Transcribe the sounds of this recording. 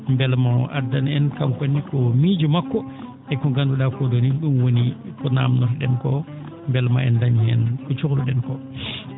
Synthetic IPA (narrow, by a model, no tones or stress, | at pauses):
mbɛlmaɔʔadanɛnkamkenːikɔmid͡ʒumakːɔ | ɛkːɔɡanduɗakodoniɗunwonikɔna̰mnɔɾɗɛnkɔ | mbɛlmaɛ̰ndaɲiɛnkɔt͡ʃokluɗɛnkɔ